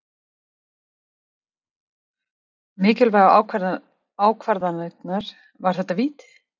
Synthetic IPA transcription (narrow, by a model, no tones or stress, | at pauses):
mɪːcɪlvaːɣaaːwka | aːwkʰvaɾðanɛknaɾ̥ | vaɾ̥θɛht̪ːaviːt̪ɪ̥